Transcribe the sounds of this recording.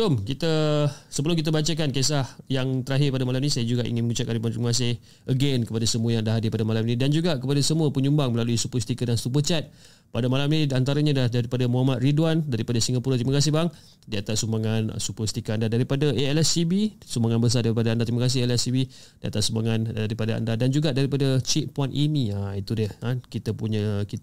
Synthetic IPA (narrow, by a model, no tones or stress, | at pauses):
bəlʊmkit̪əsəbəlʊmkit̪̬abat͡ʃak̬ankesahjaŋt̪əɾaɦɪpadamalaminĩsajad͡ʒuɡaʔḭŋɪnməŋut͡ʃatkanɾidwant̪ɾimakas̬ɪh | ʔəɡenkəpadasəmuəjaŋdaɦadɪpadamalaminidand͡ʒuɡakəpadasəmuəpəɲumbaŋməlaluisupust̪ikadanst̪up̬ət͡ʃɛt̪̚ | padamalaminidiant̪aɾaɲadahdaɾipadamuɦamat̪̚ridwandaɾipadasiŋɡapuɾat̪ɾiməkas̬ɪhbaŋ | diat̪aʔsumaŋan̰supəst̪ikaandadaɾipadaeɛlɛsibisumbaŋanbəs̬adaɾipadaandat̪ɾiməkas̬ɪɦɛlɛsibidia̰t̪aʔsumbaŋanaɾipadaa̰ndadand͡ʒuɡaʔdaɾipadət͡ʃiʔ̚puanʔiniait̪udəhakit̪əpuɲəki